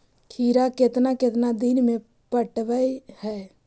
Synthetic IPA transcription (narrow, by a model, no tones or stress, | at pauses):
kʰiːɾakɪt̪nakɪt̪nad̪inmẽ | pəʈʋəihɛː